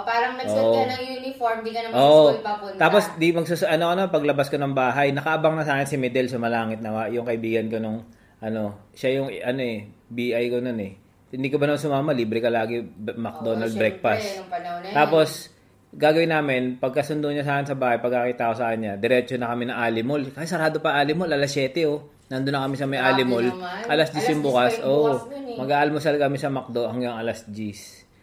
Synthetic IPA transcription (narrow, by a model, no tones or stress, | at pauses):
paːɾɐŋnɐoʔnɐŋjuːnɪfoɹmd̪ɪɡɐnɐʔoːʔopɐpʊnt̪aːposd̪imɐɡsusʔɐnokɐnɐmanpɐɡlɐbaskonɐŋbaːɦɐjnɐkɐʔɐbaŋnɐsaːkɪnsɪmɛd̪ɛlsʊmɐlaːŋɪt̪̚nɐwajʊŋkɐʔɪbiːɡɐnkonʊŋ | ʔɐno̞ʃajʊŋʔɐno̞ɛbiːʔajkono̞nɛ | hɪnd̪iːkobɐnmɐnsʊmaːmɐliːbɾɛkɐlaːɡɛmɐk̚d̪onɐlbɾɛk̚past̪aːpo̞s | ɡaːɡɐwɪnaːmɪnpɐɡ̚kɐsʊnd̪oɲas̬aːkɪnsɐbaːhɐjpɐɡ̚kːakit̪aʔosaːkɪnɲad̪ɛɾɛt͡ʃonɐkɐmɛnɐŋʔaːlɪmolkɐsɪt̪ːsɐɾaːd̪opɐʔaːlɪmolɐlɐsjɛːt̪ɛo | nɐnd̪ʊnːɐkɐmisɐmɐjʔaːlɪmolʔʔɐlasd͡ʒisjʊŋbuːkɐsʔoʔmɐɡʔaːʔɐlmʊsalkɐmɪsɐmɐk̚d̪o̞ʔɐŋɡɐŋʔɐlɐsd͡ʒis